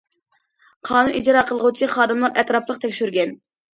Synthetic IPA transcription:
qʰɑːnunid͡ʒɾɑːqʰəlˠəʁut͡ʃʰiχɑːd̪ɨmlˠəɾɛt̪ɾɑplˠəq̚t̪ʰɛkʲʃyɾɡʲɛn

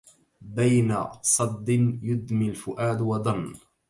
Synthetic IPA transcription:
bajna̰sˤɑd̪ːɪnjʊd̪milfʊʔaːd̪wɑd̪ˤɑnː

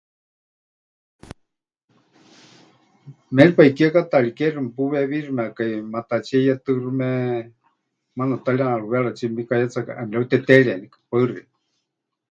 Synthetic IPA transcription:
mɛlipaikiakat̪aɺikɛrumɛpuβɛβirɨmɛakaimat̪at͡ʃiejat̪ɨrɨmɛ | manat̪alianaɺuβɛaɺat͡ʃimbikajat͡saka̰ʔamlaut̪ɛt̪ɛɺienikḁpaɨri

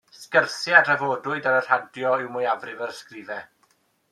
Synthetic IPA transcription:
skərθɪadr̥əvoːdʊɨdaɾər̥adjɔɪwmʊjavrɪvərskrɪvɛ

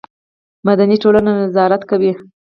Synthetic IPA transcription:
mad̪aniʈolananɪzɑɾat̪kawi

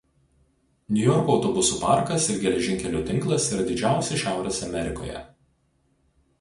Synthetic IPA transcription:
nʲʊjɔɾkoːʊt̪ɔbʊsuːpɑˑɾkɐsɪɾɡʲɛlʲɛʒʲɪŋʲkʲɛlʲuːt̪ʲɪŋklˠɐsiːɾɐd̪ʲɪd͡ʒʲæˑʊsʲɛʃʲæˑʊɾʲɛsɐmʲɛɾʲɪko̰ːjɛ̰

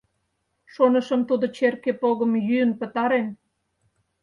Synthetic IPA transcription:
ʃonəʃəmt̪ud̪ot͡ɕerkepoɣəmjyənpə̆t̪ɑɾen

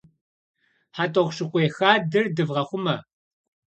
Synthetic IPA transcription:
ħatʼoʁʷʃɨqʷʼeːxaːdɨrdɨvʁɐχʷʊmɐ

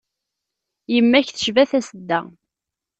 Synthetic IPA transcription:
jəmːæçθə̥ʃvæθæsəd̪ːæ

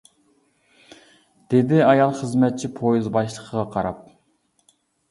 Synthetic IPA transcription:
d̪̥ed̪ɪɑjɑlˠχəzmɛt̪̚t͡ʃʰipʰojizbɑʃlˠəqʰəʁɑqʰɑɾɑp̚

